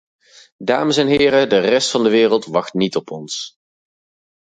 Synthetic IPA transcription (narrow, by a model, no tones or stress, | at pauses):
daːməsɛnɦɪːɾədərɛstfɑndəʋɪːrəlˠtʋɑχtnitɔpʰɔns